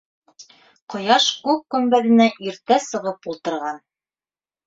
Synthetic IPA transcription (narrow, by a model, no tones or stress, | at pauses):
qŏjɑʃkʉk̚kɵ̆mbæðɘ̆næʔiɾt̪æsɤ̆ʁɤpulˠt̪ɤ̆ɾʁɑn